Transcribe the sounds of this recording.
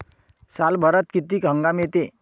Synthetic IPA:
salbʱəɾət̪̚kit̪iːkɦə̃ŋɡamet̪e

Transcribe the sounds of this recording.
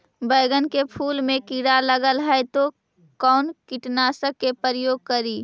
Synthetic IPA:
bəɪɡənkepʰuːlmẽkiɾaləɡəlɦəjt̪o | kɔːnkiʈnasəkːepəɾəjoːɡ̚kəɾiː

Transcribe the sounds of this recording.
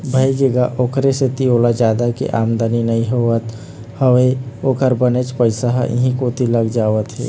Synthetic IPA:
bʱajd͡ʒeːɡaʔoːkɾeset̪ioːlad͡ʒaːd̪akḛʔaːmd̪əninəɦĩɦoət̪ | həweoːkəɾbənet͡ʃpəɪsaɦʔḭɦĩkot̪iləɡd͡ʒaːʋət̪ɦɛ̰ː

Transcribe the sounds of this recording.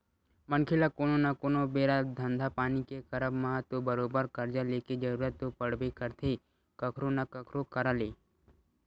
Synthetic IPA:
mənkʰɪlakoːnonakoːnobeːɾad̪ʱənd̪ʱapaːnikekɐɾəbməɦət̪ːobəɾoːbəɾkəɾd͡ʒaleːked͡ʒəɾuːɾət̪ːopəɽbekəɾt̪ʰe | kəkʰɾonakəkʰɾokəɾaleː

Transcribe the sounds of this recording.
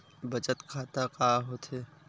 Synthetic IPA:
bɐt͡ʃət̪kʰaːt̪akaːɦot̪ʰeː

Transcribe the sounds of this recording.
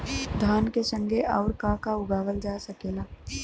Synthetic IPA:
d̪ʱaːnkesə̃ŋɡʱeʔɔːɾkakaʊɡaːʋəld͡ʒaːsəkeːlaː

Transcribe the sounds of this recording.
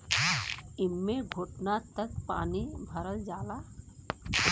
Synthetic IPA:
ɪmːeɡʱoʈnat̪əkpa̰ːnibʱəɾəld͡ʒaːla

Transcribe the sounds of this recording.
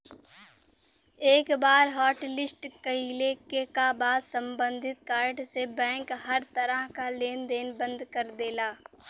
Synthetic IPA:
eːkbaːɾɦɔːʈlɪsʈkəilekekabaːd̪sə̃mbə̃nd̪ʱɪt̪̚kaːɾʈsebɛ̃ːŋkɦəɾt̪əɾəɦkaleːnd̪eːnbə̃nd̪kəɾd̪eːlaː

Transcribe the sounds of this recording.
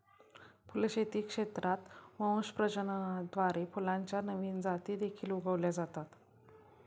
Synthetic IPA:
pulɕet̪iːkʂet̪ɾʔat̪ʋə̃ʋəɕpɾəd͡ʑənd̪ʋaɾepulãɲt͡ɕjanəʋiːnd͡zat̪iːd̪ekʰiːluɡʱəʋljad͡zat̪at̪

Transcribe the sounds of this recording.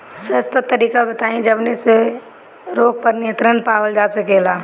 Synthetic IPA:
səst̪ət̪ːəɾiːkabət̪aːĩd͡ʒəbnese | ɾoːɡ̚pəɾnɪjət̪ɾənpaːʋəld͡ʒaːsɐkeːlaː

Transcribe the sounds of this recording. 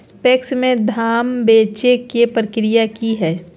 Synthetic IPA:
pɛksmẽd̪ʱaːmbeːt͡ʃekepɾəkɾɪjakiɦɛː

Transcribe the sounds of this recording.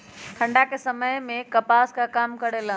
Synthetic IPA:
ʈ̪ʰɐ̃ɳɖakʰesɐməjmẽkɐpaːskakaːmkɐɾelã

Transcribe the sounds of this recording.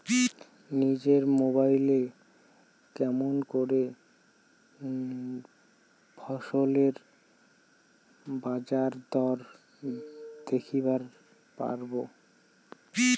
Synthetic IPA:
nid͡ʑeɾmobajle | kɛmonkoɾe | bʰʱɔʃoleɾ | bad͡ʑaɾd̪ɔɾ | d̪ekʰibaɾ | pa̰ɾbo

